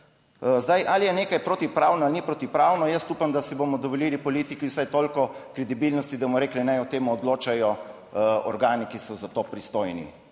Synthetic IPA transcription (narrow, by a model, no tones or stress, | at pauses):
zd̪ajʔalijɛneːkajpɾot̪ipɾaːwnɔalnipɾot̪ipɾaːwnɔjəst̪uːpamd̪asibomɔd̪ɔʋɔliːlipɔliːt̪ikiwsajt̪oːlkɔkɾɛd̪ibilnɔst̪id̪amɔɾeːklinajɔt̪eːmuːd̪loːt͡ʃajɔ | ɔ̰ɾɡaːnikisɔzat̪oːpɾist̪oːjnḭ